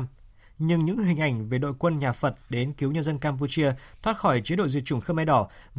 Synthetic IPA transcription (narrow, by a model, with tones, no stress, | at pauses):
ɲɨ˧ŋɲɨ̰˧˥ŋhï˨˩ŋ̟ʔa˨˧˩jŋ̟ve˨˩ɗo̰˧˨jkwə˧nɲaː˨˩fə˨˩t̚ɗe˨˦nki˨˦wɲə˧nzə˧nkaː˧mp̬u˧t͡ɕi˧ət̪ʰwaː˦˥t̚xɔ˧˩jt͡ɕi˨˦ɗo̰˧˨zḭ˧˨t͡ɕu˧˩ŋxə˧ma˧jɗɔ˧˩ | v